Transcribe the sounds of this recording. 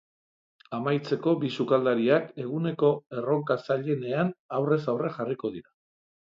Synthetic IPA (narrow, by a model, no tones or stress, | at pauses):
amajt͡se̞ko̞bisukald̪aɾiake̞ɣ̞une̞ko̞e̞ro̞ŋkasaʎe̞ne̞anawre̞sawre̞xariko̞ð̞iɾa